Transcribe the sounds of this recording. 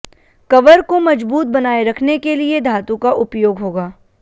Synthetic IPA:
kɐʋəɾkomɐd͡ʒbuːt̪̚bɐnaːeɾɐkʰnekelied̪ʱaːt̪ũkaʔʊpjoːɡɦoːɡaː

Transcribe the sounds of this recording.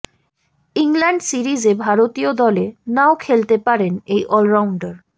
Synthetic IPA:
iŋlaɳɖsiɾid͡ʑebʱaɾot̪iod̪ɔlenaokʰelt̪epaɾenejʔɔlɾawɳɖaɾ

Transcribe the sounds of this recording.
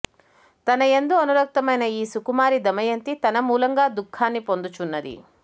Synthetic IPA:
t̪ɐnɐend̪oɐnuɾɐk̚t̪ɐmɐjnɐiːsukumaːɾid̪ɐmɐjɐnt̪it̪ɐnɐmuːlɐŋɡaːd̪ukʰːaːnːipo̞nd̪ut͡ʃunːɐd̪ḭ

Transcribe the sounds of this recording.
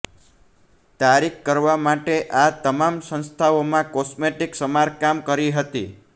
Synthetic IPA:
t̪aɾikkːəɾʋamaʈeʔat̪əmamsə̃ñst̪ʰaomãkɔsmeʈiksəmaɾkamkəɾiɦət̪i

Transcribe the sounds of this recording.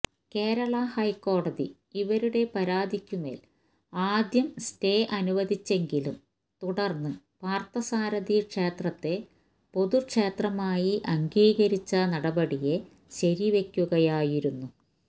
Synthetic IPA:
ke̞ːɾɐɭɐhɐjkːo̞ːɽɐðḭ | iʋɐɾuɽe̞pɐɾaːd̪ʱikʲːume̞̰ːl | aːd̪jɐmste̞ːʔɐnuʋɐd̪it͡ɕːe̞ŋɡilum | t̪uɽɐrnːɨ | paːrt̪ɐsaːɾɐðikʂe̞ːt̪rɐt̪ːe̞ | po̞ðukʂe̞ːt̪rɐmaːjiʔɐŋɡiːɣɐɾit͡ɕːɐnɐɽɐbɐɽije̞ | ɕɐɾiʋe̞kʲːuɣɐjaːjiɾunːu

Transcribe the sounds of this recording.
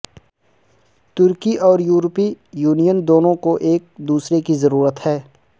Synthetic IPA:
t̪ʊɾkiʔɔːɾjuːɾpijuːnijənd̪oːnõkoʔeːk̚d̪uːsɾekizɐɾuːɾət̪hɛː

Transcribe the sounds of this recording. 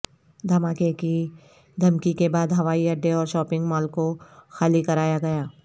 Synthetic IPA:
d̪ʱɐmaːkeki | d̪ʱɐmkikebaːd̪ɦɐʋaːiɐɖːeɔːɾʃɔːpɪ̃ŋɡmɔːlkoxaːlikɐɾaːjaɡɐjaː

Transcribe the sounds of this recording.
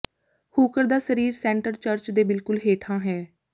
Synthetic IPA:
huːkəɾd̪aːsəɾiːɾsɛːɳʈəɾt͡ʃəɾt͡ʃd̪eːbɪlkʊlɦeːʈʰãːɦɛː

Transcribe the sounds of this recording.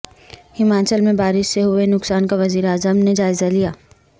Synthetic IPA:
hɪmaːt͡ʃəlmẽbaːɾɪʃseɦʊenʊksaːnkaʋɐziːɾaːzəmned͡ʒaːɪzalijaː

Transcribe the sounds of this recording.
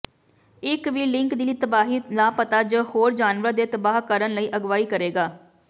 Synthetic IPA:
ɪkʋiːlɪ̃ŋkd̪iːliːt̪əbaːɦiːnaːpət̪aːd͡ʒəːhoːɾd͡ʒaːnʋɾəad̪eːt̪əbaːɦkəɾənləiːʔəɡʋaːiːkəɾeːɡaː

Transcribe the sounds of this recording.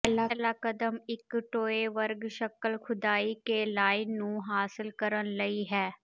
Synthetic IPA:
laːlaːkəd̪əmɪkʈoːeːʋəɾɡʃəkəlkʰʊd̪aːiːkelaːinũːɦaːsɪlkəɾənləiːɦɛː

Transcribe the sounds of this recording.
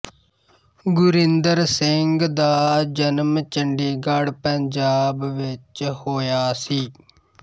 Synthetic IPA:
ɡʊɾɪnd̪əɾsɪŋɡd̪aːd͡ʒənmt͡ʃəɳɖiːɡaɽpəɲd͡ʒaːbʋɪt͡ʃhoːjaːsiː

